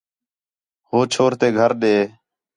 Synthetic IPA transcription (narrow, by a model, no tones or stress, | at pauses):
hoːt͡ʃʰoːɾt̪eːɡʱəɾɗeː